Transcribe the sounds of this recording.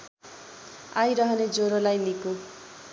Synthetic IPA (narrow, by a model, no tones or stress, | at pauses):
ajɾʌɦʌned͡zoɾolajniko